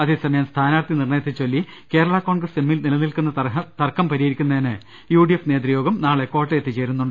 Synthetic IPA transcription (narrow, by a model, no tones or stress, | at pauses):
ɐðisɐmɐjaːmst̪ʰaːnaːrt̪inirɳɐjɐt̪ːit͡ɕːolːi | ke̞ːɾɐɭɐko̞ːɳɡrɐsemːilnilɐnilkunːɐt̪ɐrkɐmpɐɾijeɾikʲːunːɐðinɨ | juːɖijefne̞ːd̪rijo̞ːɡɐmnaːɭeko̞ːʈːɐjet̪ːit͡ɕe̞ːɾunːuɳɖɨ